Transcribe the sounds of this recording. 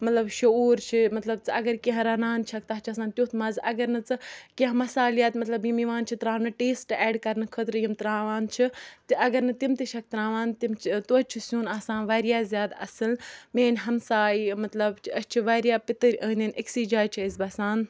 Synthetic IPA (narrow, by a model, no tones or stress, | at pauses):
mɐt̪lɐbʃɐoːɾt͡ʃʰimɐt̪lɐbt͡sɨɐɡɐɾkeɦɾɐnaːnt͡ʃʰɐk̚t̪ɐɦt͡ʃʰɐsãːnt̪ʲjoːt̪ʰmɐzɐɡɐɾnɨt͡sɨkʲiɦmɐsaːlijat̪mɐt̪lɐbjimiʋaːnt͡ʃʰit̪ɾaːmnɨʈeːsʈɛːɖkɐɾnɨkʰət̪ɾɨjimt̪ɾaːʋaːnt͡ʃʰit̪iʔɐɡɐɾnɨt̪imt̪iʃʰɐk̚t̪ɾãːʋaːnt̪imt͡ʃt̪uːt͡ʃʰisuːnaːsãːnʋɐːɾjaːzʲjaːd̪ɐ̰sɨlmeːnʲɦɐmsaːimɐt̪lɐbt͡ʃʰɐst͡ʃʰiʋɐːɾʲjaːpɪt̪ɨɾʲəːnʲɐniksiːd͡ʒaːjt͡ʃʰiizbɐsaːn